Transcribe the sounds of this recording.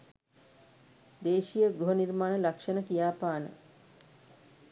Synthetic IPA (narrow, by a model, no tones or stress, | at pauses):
d̪eːʃijəɡɾuɦəniɾmaːnəlakʃənəkijaːpaːnə̰